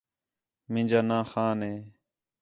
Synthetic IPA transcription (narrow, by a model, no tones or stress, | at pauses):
mɪ̃ːd͡ʒaːnãːxaːnɦeː